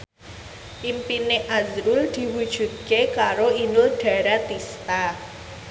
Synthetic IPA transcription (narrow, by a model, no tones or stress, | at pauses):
ʔimpineʔazɾuld̪̥i̤wud̥ʒ̥ṳt̪̚kekaɾoinʊlɖ̥ä̤ɾat̪ist̪a